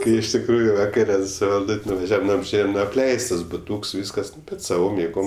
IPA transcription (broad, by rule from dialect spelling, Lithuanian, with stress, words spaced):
ˈkɐɪ ɪʃ tʲɪkˈruːjʊ ʋɐˈkɑːrʲɛ sʊ ʋɐlˠˈdʊtʲ nʊʋɐˈʒʲæːʋɐm ˈnʊ ɐbʲˈʒʲeːjɛm ˈnʊ ɐpʲˈlʲɛɪstɐs bʊˈtuːks ˈʋʲiːskɐs ˈnʊ ˈbʲɛt sɐˈʋoːm jeːˈɡoːm